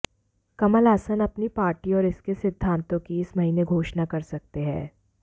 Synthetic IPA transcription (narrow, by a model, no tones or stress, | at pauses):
kɐməlaːsənɐpnipaːɾʈiɔːɾɪskesɪd̪ʱːãːnt̪õkiɪsmɐɦiːneɡʱoːʃnakɐɾsɐk̚t̪eɦɛ̰̃ː